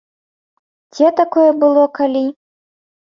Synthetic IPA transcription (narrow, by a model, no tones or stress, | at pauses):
d͡zʲɛt̪akɔjɛbɨlˠɔkalʲi